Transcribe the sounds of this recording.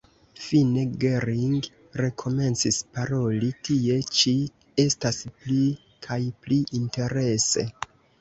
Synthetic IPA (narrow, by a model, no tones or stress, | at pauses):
fine̞ɡe̞ɾiŋɡ | ɾe̞kʰo̞me̞nt͡sispaɾo̞litie̞t͡ʃi | e̞staspli | kʰajpliʔinte̞ɾe̞se̞̰